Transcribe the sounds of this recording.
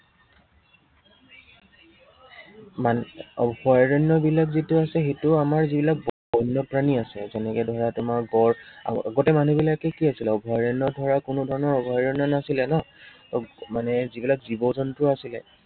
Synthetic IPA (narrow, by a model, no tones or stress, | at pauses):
manɔbʱɔjaɹɔnːɔbilakzitʊasɛxetʊamaɹzibilak̚b | ɔjnɔpɹaniasɛzɛnɛkɛdʱɔɹatʊmaɹɡɔɹa̰a̰ɡɔtɛmanubilakɛkiasilɛɔbʱɔjaɹɛnːɔdʱɔɹakʊnʊdʱɔɹɔnɔɹɔbʱɔjaɹɔnɔnasilɛnɔtɔmanɛzibilakzibɔzɔntʊasilɛ̰